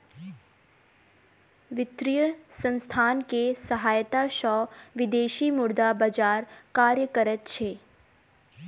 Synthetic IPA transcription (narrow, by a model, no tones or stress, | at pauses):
ʋɪt̪ɾijəsə̃nst̪ʰaːnkesəɦaːjt̪aʃɔːʋɪd̪eːʃimʊɾd̪abəd͡ʒaːɾkaːɾjəkəɾət̪̚t͡ʃʰeː